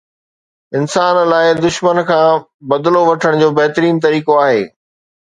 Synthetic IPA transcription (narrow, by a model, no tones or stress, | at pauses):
ɪnsaːnlaːɪd̪ʊʃmənkʰãː | bɐd̪loʋɐʈʰəɽ̃d͡ʑoːbɐɦt̪ɾiːnt̪ɐɾiːkoaːɦeː